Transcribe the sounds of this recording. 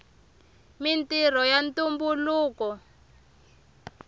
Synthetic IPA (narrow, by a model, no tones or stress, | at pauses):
mintirɔjantumbuluːkɔ